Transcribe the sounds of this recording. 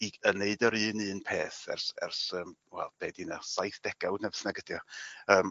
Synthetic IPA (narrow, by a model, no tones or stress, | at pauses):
iəneɨdɔɾɨːnɨːnpʰeːθɛ̰rsɛ̰rsəːmwɛ̰lˠb̥ɛːdinasajθd̥ɛɡ̥awdnɛvθnaɡəd̥jɔəːm